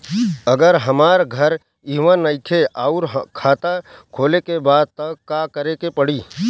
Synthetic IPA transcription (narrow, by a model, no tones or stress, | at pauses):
əɡəɾɦəmaːɾɡʱəɾ | iːʋənəɪt̪ʰeʔaʊɾɦkʰaːt̪akʰoːlekebaːd̪̚t̪əkːakəɾekepəɽiː